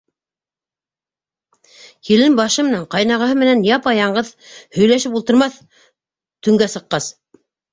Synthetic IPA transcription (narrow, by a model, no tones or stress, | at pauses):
kilɘmbɑʃɤmɘ̆næɴqɑjnɑʁɑ̆ɦɤmɘ̆nænjɑpɑjɑɴɢɤðhɵ̆jlæʃɘp̬ulˠt̪ɤ̆ɾmɑθ | t̪ɵ̆ŋɡæsɤ̆qːɑs